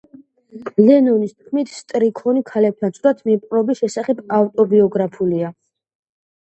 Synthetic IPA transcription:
lɛnɔnist̪̚ʰkʰmit̪ʰst̪ʼɾikʰɔnikʰalɛp̚t̪ʰansʼɾat̪ʰmipʼqʼɾɔbisʃɛsaχɛbaft̪ʼɔbiɔɡɾapʰulia

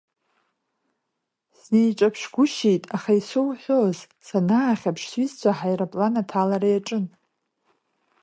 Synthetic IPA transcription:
snejʈ͡ʂʼapʰʂɡʷʊʃejtʼaχajsowħʷᶣoz | sanaːχʲapʰʂsɥizt͡sʷʰaħajrapʼlanatʰalaɾajaʈ͡ʂʼɨn

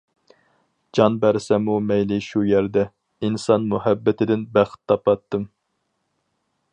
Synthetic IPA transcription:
d͡ʒɑnbæɾsɛmumɛjlɪʃujæɾd̪ɛ | insɑnmuhæbːɪt̪ʰɪd̪ɪnbæχt̪ʰːɑpɑt̪ːɨm

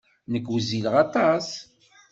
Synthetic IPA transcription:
nəkːwəzilʁɑt̪ˤɑs

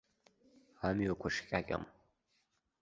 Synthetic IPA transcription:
amiwakʷʰɐʂkʲʼakʲʼa̰m

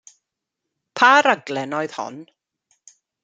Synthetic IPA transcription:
pʰaɾaɡlɛnɔjð̥hɔ̰n

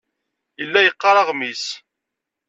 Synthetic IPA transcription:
jəlːæjəqːɑɾˤɑʁmis

